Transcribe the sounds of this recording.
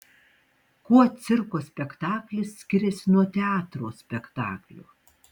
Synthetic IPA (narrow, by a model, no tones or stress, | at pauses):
kuɔt̪sʲɪɾkoːsʲpʲɛkt̪ɑːklʲɪsːʲkʲɪɾʲɛsʲɪnuɔt̪ʲɛɑːt̪ɾoːsʲpʲɛkt̪ɑ̰ːklʲṵː